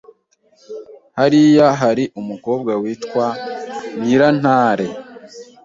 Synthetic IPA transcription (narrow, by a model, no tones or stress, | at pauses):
haɾijaɦaɾiʔumuko̞ːb̚ɡawiːtkwaniɾan̥aːɾe̞